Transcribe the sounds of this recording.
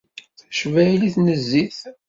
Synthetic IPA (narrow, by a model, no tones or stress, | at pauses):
θæ̥ʃvæiliθnəzːiθ